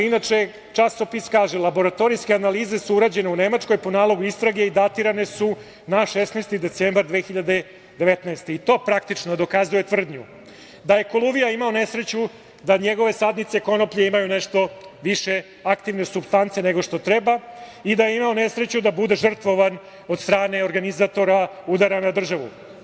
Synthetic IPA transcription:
inat͡ʂe̞ | t͡ʃasopiskaːʒelabo̞ɾat̪o̞ɾijskeanaliːze̞suuɾad͡ʑe̞ne̞une̞mat͡ʂko̞jpo̞naːlˠo̞ɡuist̪ɾaɡe̞id̪at̪iɾane̞su | naʃesneːst̪id̪e̞t̪sembaɾd̪ʋeːxiʎad̪e̞ | d̪eʋet̪naest̪e̞it̪o̞ːpɾakt̪it͡ʃnod̪o̞kazuje̞t̪vr̩d̪ɲu | d̪aje̞kolˠuvijaimaone̞sɾet͡ɕu | d̪aɲeɡo̞ʋe̞sad̪nit̪seko̞nopʎeimajuneʃt̪o̞ʋiʃe̞ | akt̪iʋne̞subst̪ant̪se̞ne̞ɡo̞ʂt̪o̞t̪ɾebaid̪ajeimaone̞sɾet͡ɕud̪abud̪e̞ʒr̩t̪ʋo̞ʋan | o̞d̪st̪ɾaːne̞o̞ɾɡanizat̪o̞ɾaud̪aɾanad̪r̩ʒaʋṵ

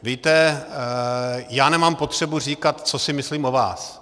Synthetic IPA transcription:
viːt̪ɛ | jaːnɛmaːmpo̞t̪r̝̥ɛbur̝iːkat̪t͡so̞sɪmɪsliːmʔova̰ːs

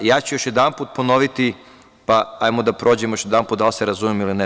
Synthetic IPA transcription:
jaːt͡ɕujoʃjed̪anpuːt̪̚pono̞ʋit̪i | paajmod̪apɾʔo̞ːd͡ʑemjoʃjed̪anput̪d̪aliseɾazumemiline

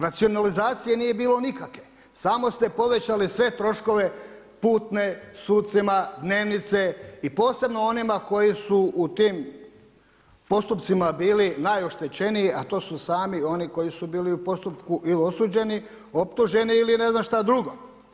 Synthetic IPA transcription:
ɾat̪sio̞nalizaːt̪sijenije̞biːlˠo̞nikakʋe | saːmo̞st̪e̞po̞ʋe̞t͡ɕalisʋe̞t̪ɾo̞ʃko̞ʋe̞ | puːt̪ne̞suːt̪̚t̪simad̪ne̞ːʋnit̪seipo̞ːse̞bno̞onimako̞jisuːt̪iːm | po̞st̪upt̪simabiːlinajoʃt̪et͡ɕe̞nijiat̪o̞ːsusaːmio̞niko̞jisubiːliupo̞st̪upkuʔilio̞suːd͡ʑe̞ni | o̞pt̪uʒe̞niːline̞znamʃt̪ad̪ɾuɡo̞

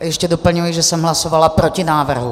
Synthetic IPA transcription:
jɛʃcɛdopl̩ɲujiʒɛsɛmɦlasovalapɾocɪnaːvr̩ɦu

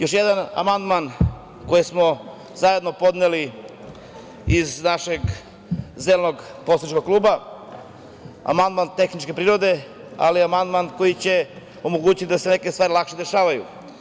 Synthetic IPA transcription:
jo̞ʃjed̪ana̰mand̪man | ko̞jismo̞ | zajed̪no̞po̞d̪neli | iznaʃeɡ | zelno̞ɡposit͡ʃkoɡ̚klˠuːba | a̰mand̪mant̪e̞xnit͡ʃke̞pɾiːɾo̞d̪e̞ | a̰liamand̪manko̞jit͡ɕe̞ | o̞moɡuːt͡ɕit̪id̪asene̞kest̪ʋaːɾilakʃed̪e̞ʃaːʋajṵ

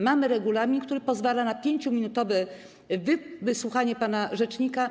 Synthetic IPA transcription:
mamɘɾɛɡulamʲikt̪uɾɘpɔzvalanapʲjeɲt͡ɕumʲinut̪ɔvɛ | vvɘswuxaɲɛpanaʐɛt͡ʂɲika

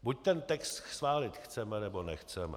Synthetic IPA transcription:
buc̚t̪ɛnt̪ɛkst̪svaːlɪt̪xt͡sɛmɛnɛbo̞nɛxt͡sɛmɛ̰

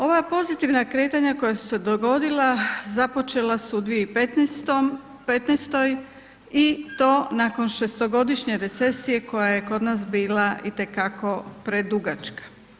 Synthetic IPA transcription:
o̞ʋapo̞zit̪iʋnakɾe̞ːt̪aɲako̞jasu̥se̞d̪oɡo̞d̪ilazapo̞t͡ʃe̞lasuud̪ʋijeipet̪t̪o | pet̪nest̪o̞j | it̪o̞ːnaːko̞nʃe̞st̪o̞ɡo̞d̪iʃɲe̞ɾe̞t̪se̞sije̞ko̞jaje̞ko̞d̪nasbiːlait̪e̞kako̞pɾe̞d̪uɡat͡ʃkḁ

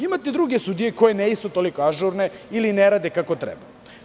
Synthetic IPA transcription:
imat̪ed̪ɾuɡesud̪ijeko̞jeneist̪ot̪olikoaʒuɾneilineɾaːd̪ekakot̪ɾḛba

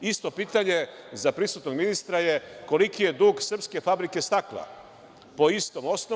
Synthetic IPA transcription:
ist̪o̞piːt̪aɲe̞zapɾisut̪no̞ɡminist̪ɾajeko̞likije̞d̪uːɡsr̩pske̞fabɾike̞st̪akla̰ | po̞ist̪o̞mo̞sno

